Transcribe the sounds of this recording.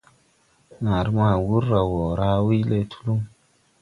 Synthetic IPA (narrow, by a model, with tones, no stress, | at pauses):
na˨ɾma˦˨wu˦ɾːa˨wo˨ɾa˦wi˦le˦˨tʰu̥˦lu˦m